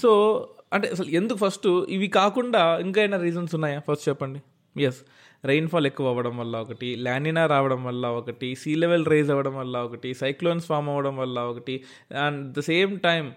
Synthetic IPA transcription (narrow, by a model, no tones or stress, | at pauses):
soːɐɳʈḛɐsɐle̞nd̪ukupʰɐɾsʈiʋikaːkuɳɖaːiŋkaːɐjnɐɾiːd͡ʒɐnsunːaːjaːpʰɐɾsʈt͡ʃɛpːɐɳɖi | jes | ɾejnpʰaːlekːuʋɐɐʋɐɽɐmʋɐlːaɔkɐʈiljaːɳɖinaːɾaːʋɐɽɐmʋɐlːaɔkɐʈisiːleʋelɾejd͡ʒɐʋɐɽɐmʋɐlːaɔkɐʈisɐjkloːnsfaːɾmɐʋɐɽɐmʋɐlːaɔkɐʈi | aɳɖd̪ɐseːmʈɐjm